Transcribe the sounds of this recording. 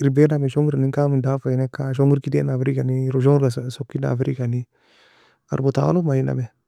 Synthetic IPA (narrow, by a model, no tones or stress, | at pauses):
iɾibɛnamɛʃɔŋɡiɾanikamidafanɛkːaʃ̬ɔŋɡiɾkidɛnafiɾikaniɾʃ̬ɔŋɡɾassokːina̰fiɾikani | a̰ɾbot̪a̰lomaina̰mɛ